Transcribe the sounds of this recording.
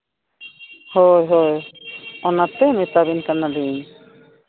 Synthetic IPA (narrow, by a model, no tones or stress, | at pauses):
hojɦojɔnat̪ɛmɛt̪abinkanaɖin